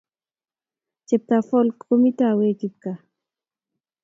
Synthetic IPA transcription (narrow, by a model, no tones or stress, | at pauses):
t͡ʃep̚t̪afolkʊmɪt̪aːweːkɪp̪ka